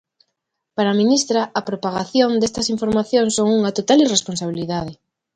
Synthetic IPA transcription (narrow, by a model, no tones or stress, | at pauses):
paɾaminist̪ɾaɐpɾopaɣaθjond̪est̪ɐsiɱfoɾmaθjoŋsoŋuŋɐt̪ot̪aliresponsaβ̞iliðaðɪ